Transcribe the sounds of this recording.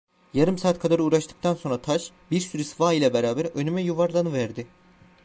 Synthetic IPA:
jaɾɯmsaːt̪kʰad̪aɾɯuːɾaʃt̪ɯ̥k̚t̪ʰanso̞nɾat̪ʰaʃ | biɾsyɾysfaːijlʲˠabɛɾaːbæɾønymɛjuvaɾlˠanɯvæɾd̪ɪ

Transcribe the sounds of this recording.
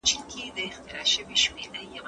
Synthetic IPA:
t͡ʃilkʰed̪əɪxt̪ɪɾɑʃəwiʃmeɾajaw

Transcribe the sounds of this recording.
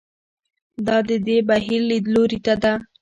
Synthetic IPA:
d̪ɑd̪əd̪ebaɦiɾlid̪loɾit̪ad̪a

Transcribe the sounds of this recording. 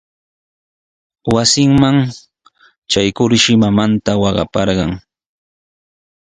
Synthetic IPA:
wasɪŋmaŋ | t͡ʃajkʊɾʃɪmamant̪awɑɢɑ̰pɑɾɢɑŋ

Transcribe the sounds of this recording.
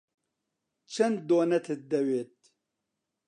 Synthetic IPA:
t͡ʃʰɐnd̪oːnɐt̪ʰɨd̪ɐweːt̪̚

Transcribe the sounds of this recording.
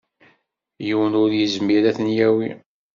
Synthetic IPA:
juwənʊɾjəzmiɾæθnjæwi

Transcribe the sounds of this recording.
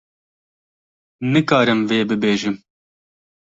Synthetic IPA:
nɨkɑːɾɨmveːbɨbeːʒɨm

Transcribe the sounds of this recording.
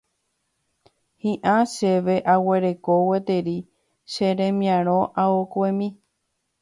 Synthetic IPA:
hĩʔãʃeʋe̞ʔaweɾe̞kowet̪eɾi | ʃeɾẽmĩãɾ̃õʔaokʷemĩ

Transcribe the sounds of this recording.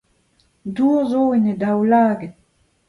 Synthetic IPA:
duːʁzoinədawlaːɡət̚

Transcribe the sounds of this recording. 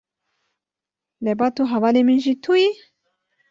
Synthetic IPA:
lebat̪uɦavaleminʒit̪ʰuji

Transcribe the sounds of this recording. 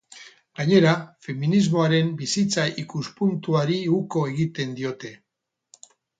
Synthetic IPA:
ɡaɲe̞ɾafe̞minizmo̞aɾe̞mbisit͡saʔikuspunt̪uaɾiuko̞e̞ɣit̪e̞nd̪io̞t̪e̞

